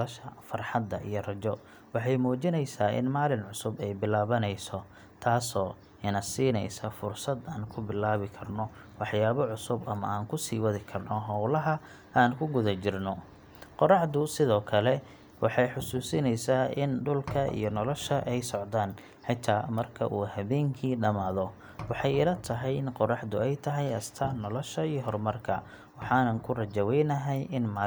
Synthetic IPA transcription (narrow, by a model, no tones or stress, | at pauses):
ɐʃɐfɐrħɑd̪ːɐʔijɔrɐt͡ʃɔ | wɑħɑjmuːt͡ʃɪnɛjsaːʔɪ̰nmaːlɪnʕʊsʊbɛjbɪlaːβɐnɛjsɔ | t̪ʰaːsɔː | ɪnɐsiːnɛ̰jsɐfʊrsɐd̪aːnkʰʊbɪlaːβɪkʰɐrnɔ | wɑħjaːβɔʕʊsʊbɐmɐ̰ʔaːŋkʰʊsiːwɐðɪkʰɐrnɔɦɔwlɐɦɐ | aːnkʰʊɡʊðɐt͡ʃɪrnɔ | qɔrɑħd̪ʊsɪðɔːkʰɐlɛ | wɑħɑjħʊsuːsɪnɛjsaːʔɪnɖʊlkʰɐḭjɞnɔlɔʃɐʔɛjsɔʕd̪aːn | ħɪt̪ʰaːmɐrkʰɐ̰ʔuːhɐβɛːŋkʰiːɖɐmaːðɔ | wɑħɑjɪlɐt̪ʰɐɦɛjɪnqɔrɑħd̪ʊɛjt̪ʰɐɦɛjɐst̪ʰɐnɔlɔʃɐijɦɔrmɐrkʰɐ̰ | wɑħɑːnɐnkʰʊrɐt͡ʃɐwɛjnɐɦɛjʔɪnmaː